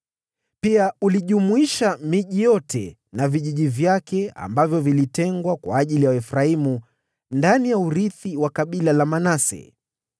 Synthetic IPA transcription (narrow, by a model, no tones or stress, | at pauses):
piauliʄumuiʃamiʄijɔtʰɛ̰ | naviʄiʄivjakɛa̰mbavjɔvilitɛŋɡwakwa̰ːʄilijawaɛfɾaimu | ndanijauɾiθiwakaɓilalamanasɛ̰